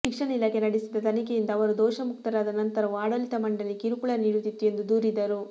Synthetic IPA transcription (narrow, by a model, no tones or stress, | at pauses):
ʃikʂɐɳɐilaːkʰenɐɽisid̪ɐt̪ɐnikejind̪ɐːʋɐɾud̪ɔːʃɐmuk̚t̪ɐɾaːd̪ɐnɐnt̪ɐɾɐuaːɽɐlit̪ɐmɐɳɖɐlːikiɾukuɭɐniːɽut̪it̪ːue̞nd̪ud̪uːɾid̪ːɐɾu